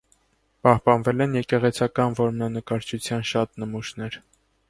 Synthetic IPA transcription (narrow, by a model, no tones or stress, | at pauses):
pɑhpɑnvɛlɛnjɛkɛʁɛt͡sʰɑkɑnvɔɾmnɑnəkɑɾt͡ʃʰut͡sʰjɑnʃɑt̪nəmuʃnɛɾ